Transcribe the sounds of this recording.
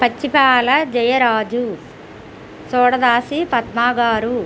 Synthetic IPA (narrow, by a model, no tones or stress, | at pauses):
pɐt͡ʃːipaːlɐd͡ʒɐjɐɾaːd͡ʒu | sɔːɽɐd̪aːsipɐt̪̚maːɡaːɾu